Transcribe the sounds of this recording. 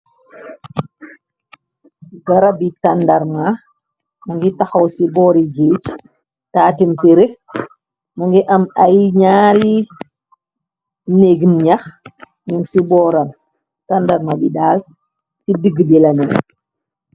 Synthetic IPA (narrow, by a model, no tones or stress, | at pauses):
ɡɐɾabitandaɾma | mɐŋɡitaxɐwsibɔːɾid͡ʒeːt͡ʃ | taːtimpeɾe | maŋɡiʔɐmajɲaːɾi | neɡnɲɐx | ɲuŋsibɔːɾan | tandaɾmabidaːs | sidiɡbilɐnɛ